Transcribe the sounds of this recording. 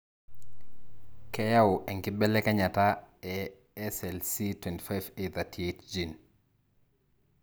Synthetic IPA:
kɛjawʔɛŋkibɛlɛkɛɲataɛ | ɛsɛlsitwɛnti̥fajveðatetd͡ʒin

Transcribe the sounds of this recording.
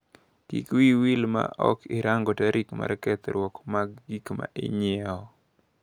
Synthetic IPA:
kḭkwiwilma̰ʔɔkɪɾaŋɡɔtaɾʔikma̰ɾkɛt̪ɾwɔkmaɡɡikma̰ʔɪ̰ɲɛɔ

